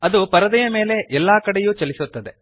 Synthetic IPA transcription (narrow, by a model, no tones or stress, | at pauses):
ɐd̪upɐɾɐd̪ɐjɐme̞ːle̞ʔɛlːaːkɐɽejuːt͡ʃɐlisut̪ːɐd̪e